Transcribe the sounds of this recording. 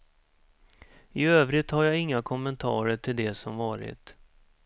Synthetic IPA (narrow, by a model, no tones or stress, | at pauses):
ɪøːvɾɪt̪haɾjaɪŋːakʰɔmːɛnt̪ʰɑ̰ːɾəʈʰɪld̪ɛsɔmvɑːɾɪ̰t̪